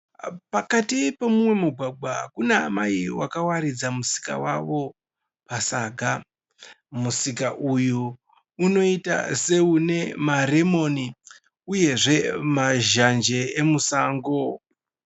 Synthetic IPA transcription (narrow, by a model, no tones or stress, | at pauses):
pakatipe̞mumwe̞muɡʱaɡ͡bʱwaɦa̰kunamaiwakawaɾid͡zamusi̥ka̰wa̰ʋo̞ | pasaːɡʱa | musikaʔujuː | no̞ita̰se̞une̞mare̞mo̞ni | uje̞ʐe̞maʒand͡ʒe̞emusaːŋɡo̞